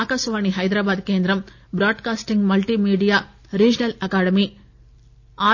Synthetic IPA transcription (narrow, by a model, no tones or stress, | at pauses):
aːkasʋaːɳiɦɐjd̪ɾaːbaːd̪keːnd̪ɾɐm | bɾaːɖkaːsʈiŋɡmɐlʈiːmiːɖijaː | ɾiːd͡ʒnɐlɐkaːɽɐmi | aː